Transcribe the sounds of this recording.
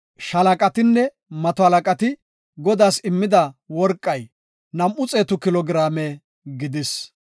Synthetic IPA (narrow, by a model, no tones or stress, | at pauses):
ʃɐlɐkʼɐt̪ɪnːɛ | mɐt̪ɔhɐlɐkʼɐt̪ɪ | ɡɔd̪aːsɪmːɪd̪ɐwɔɾkʼːɐj | nɐmʔʊt͡sʼe̞ːt̪ʊkɪlɔɡɪɾaːme | ɡɪd̪ɪs